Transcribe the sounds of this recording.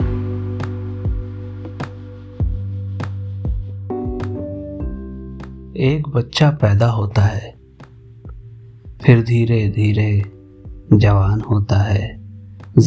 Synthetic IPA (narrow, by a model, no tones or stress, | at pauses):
eːkbətːʃapɛːd̪aɦoːt̪aɦɛː | pʰɪɾd̪ʱiːɾed̪ʱiːɾe | d͡ʒəʋaːnhoːt̪aɦɛː